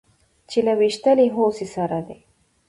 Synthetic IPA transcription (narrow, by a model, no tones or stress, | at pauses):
t͡ʃelawiʃt̪əliɦosisaɾad̪e